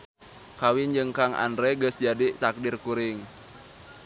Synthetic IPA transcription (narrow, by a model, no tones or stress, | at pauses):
kawind͡ʒɨŋkaŋa̰ndɾɛɡəsd͡ʒadit̪ak̚dirkuɾɪŋ